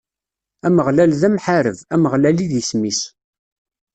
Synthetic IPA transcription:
æməʁlælðæmħaɾəvæməʁlæliðismis

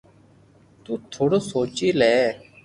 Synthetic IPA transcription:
t̪uːt̪ʰʊɽsoːt͡ʃiːlɛː

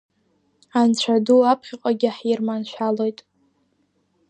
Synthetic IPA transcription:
ant͡ɕʷʰaduapʰχʲɪqʷʼaɡʲɪħirmanʃʷᶣalojtʼ

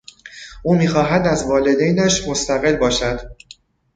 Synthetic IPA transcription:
ʔuːmiːxɒːɦæd̪æzvɒːle̞d̪ejnæʃmo̞st̪æɣe̞lbɒːʃæd̪̥

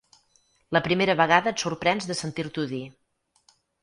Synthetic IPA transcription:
ləpɾimeɾəβəɣaðəːt̪suɾpɾɛnzðəsənt̪iɾt̪uði

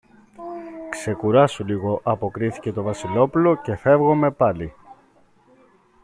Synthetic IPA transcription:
kse̞kuɾɐsuliɣo̞ʔɐpo̞kɾiθi̥ce̞t̪o̞vɐsilo̞pulo̞ce̞fe̞vɣo̞me̞pɐli

